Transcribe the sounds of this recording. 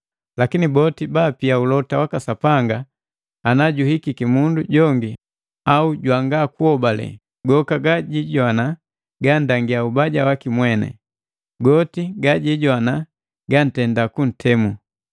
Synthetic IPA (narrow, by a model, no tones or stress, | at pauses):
lakinibɔtibaːpiaulɔtawakasapaŋɡaː | naɟuhikikimunduɟɔŋɡi | auɟwaŋɡakuɔbalɛ̰ | ɡɔkaɡaɟiɟwana | ɡandaŋɡiaubaɟawakimwɛnɛ̰ | ɡɔtiɡaɟiɟwana | ɡan̩tɛndakun̩tʰɛmu